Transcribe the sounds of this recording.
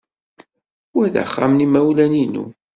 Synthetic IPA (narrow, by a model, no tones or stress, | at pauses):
wæðə̰χːa̰mnimæwlæninṵ